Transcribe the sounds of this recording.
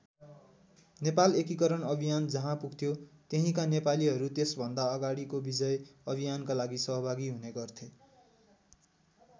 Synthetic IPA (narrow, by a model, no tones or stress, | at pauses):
nepalekikʌɾʌnʌbʱijand͡zʌɦãpuɡt̪ʰjot̪eɦĩkanepaliɦʌɾut̪esbʱʌnd̪aʌɡaɽikobid͡zʌjʌbʱijankalaɡisʌɦʌbʱaɡiɦuneɡʌrt̪ʰe